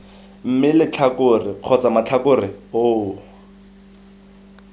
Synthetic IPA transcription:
m̩mɪlɪt͡ɬʰakʊrɪq͡χʰɔt͡samat͡ɬʰakʊrɪoː

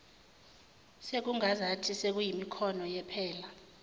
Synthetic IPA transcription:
sek̬uŋazatʰisek̬ujimikʰɔnɔjɛpʰɛːla

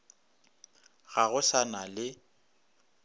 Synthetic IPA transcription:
ɣaɣʊsanalɪ

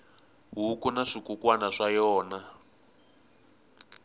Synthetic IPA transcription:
ɦukunaʂikukwanaʂajɔːna

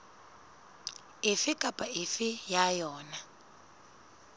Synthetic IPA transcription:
ɪfikʼapʼaifijajɔːna

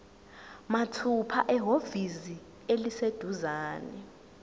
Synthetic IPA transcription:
matʰupʰa̰ʔɛɦovizi | elised̥ʱuzaːnɛ̰

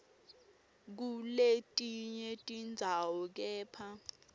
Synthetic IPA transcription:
k̬uletʼiɲɛtʼind͡zʱawɔk̬ɛːpʰa

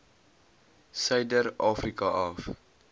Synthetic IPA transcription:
sɐjdəɾɑːfrikɐʔɐf

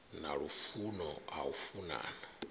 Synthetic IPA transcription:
naɺufunɔa̰ufuna̰ːna

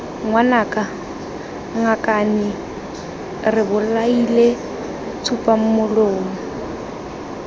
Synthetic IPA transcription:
ŋwanaːkʼa | ŋakʼanɪ | rɪbʊlaile | t͡sʰupʼam̩mʊloːmʊ

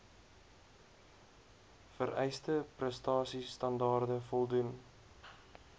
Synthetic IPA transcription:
fəɾʔɛjstəprəstɑːsistɐndɑːrdəfɔlˠdun

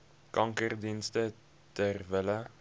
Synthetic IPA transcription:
kɐŋkərdinstə | tərvələ

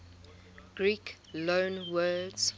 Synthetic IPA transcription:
ɡ̥ɹiːk | lõnwɜːdz̥

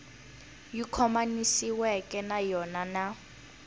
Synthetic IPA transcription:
jikʰɔmanisiwɛkʼɛnajɔnana

